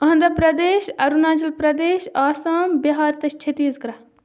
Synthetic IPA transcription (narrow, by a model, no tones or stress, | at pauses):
ɐɦɐnd̪ɾɐpɾɐd̪eːʃɐɾunaːd͡ʒɐlpɾɐd̪eːʃaːsaːmbɐɦaːɾt̪ɐʃt͡ʃʰet̪iːzkɾɐ